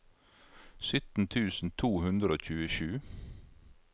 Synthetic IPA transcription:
sʏt̪n̩t̪ʰʉːsn̩t̪ʰuːhʉnd̪ɾəoːc͡çʉːəʃʉː

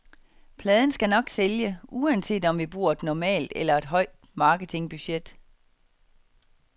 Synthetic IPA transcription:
pʰlɛːðˠn̩sɡ̥ænɒ̽ɡ̥seljəuænse̝̰ːd̥ɒ̽mʋib̥ʁṵɐ̰e̝d̥nɒmɛ̰ːld̥elɐe̝d̥ɦɒ̽ɪ̰d̥mɑ̈ːɡ̥ət͡sʰe̝ŋb̥yɕed̥

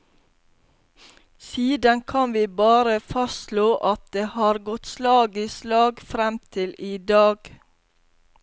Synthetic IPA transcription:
siːd̪ənkʰɑnʋiːbɑːɾəfɑsloːʔɑt̪̚d̪eːhɑːɾɡɔt̪slɑːɡislɑːɡfɾɛmt̪ʰɪliːd̪ɑːɡ̥

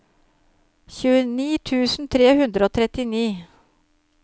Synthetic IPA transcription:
çʉːəniːt̪ʰʉːsn̩t̪ʰɾeːhʉnd̪ɾəoːt̪ʰɾɛt̪ɪniː

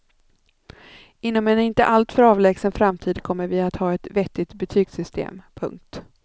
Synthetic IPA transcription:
ɪnːɔmɛnɪnt̪ə̰ʔalt̪fœɾɑːvlɛːɡsənfɾamt̪ʰiːd̪kʰɔmːəɾvɪat̪hɑːɛt̪vɛt̪ːɪt̪bɛt̪ʰyːɡsʏst̪ʰḛːmpʰɵ̰ŋk̚t̪

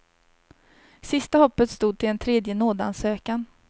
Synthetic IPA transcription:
sɪst̪ahɔpːət̪st̪uːd̪̚t̪ʰɪlɛnt̪ʰɾeːd̪jənoːd̪əa̰nsøːkan

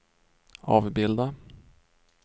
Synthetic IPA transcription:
ɑːvbɪld̪a

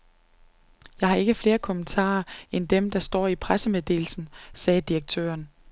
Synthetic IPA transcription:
jɑ̈ɪhɑ̈e̝ɡ̥əfle̝ːɐkʰɔ̽mənt͡sʰɑ̰̈ːɐend̥emd̥ɑ̈sd̥ɒ̰ːipʰʁasəmeðˠd̥e̝̰ːl̩sn̩sɛːd̥iʁɐɡ̥̚t͡sʰø̰ːɐn

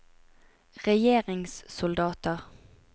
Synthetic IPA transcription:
ʁɛjeːʁɪŋssʊld̪ɑːt̪əʁ

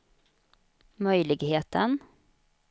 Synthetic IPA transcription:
mœjlɪɡheːt̪ʰən

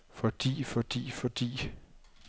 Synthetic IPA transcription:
fɒ̽d̥ḭːfɒd̥ḭːfɒ̽d̥ḭː

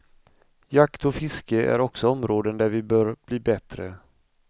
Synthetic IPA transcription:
jakt̪ɔfɪskəæ̰ɾɔksɔɔmɾoːd̪ənd̪æɾvɪbœːɾb̥liːbɛt̪ɾə̰

